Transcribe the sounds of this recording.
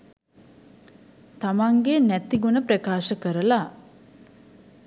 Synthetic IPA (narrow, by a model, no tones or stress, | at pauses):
t̪amaŋɡenæt̪iɡunəpɾəkaːʃəkəɾəla